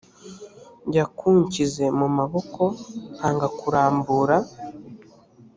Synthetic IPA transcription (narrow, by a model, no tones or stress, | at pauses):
ɲɟakʰuːɲcize̞mumaβo̞ko̞haːŋɡakuɾaːmbuːɾa